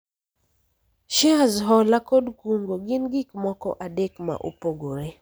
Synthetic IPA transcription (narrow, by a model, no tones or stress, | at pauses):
ʃɛazɦɔlakɔdkuŋɡoɡinɡikmɔkɔ̰ʔadɛkma̰ʔṵpoɡoɾɛ